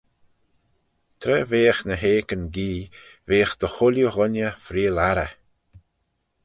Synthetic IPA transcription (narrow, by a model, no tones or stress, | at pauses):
t̪ʰɾɛveːəxnəɦeːkənɡiːveːəxd̪̥əxʊljuɣʊnʲjəfɾiːlaɾə̰